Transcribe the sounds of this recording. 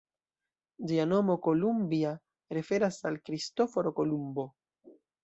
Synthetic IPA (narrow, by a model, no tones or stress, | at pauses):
d͡ʒiano̞mokolumbia | ɾefe̞ɾasalkɾistofoɾokolumbo̞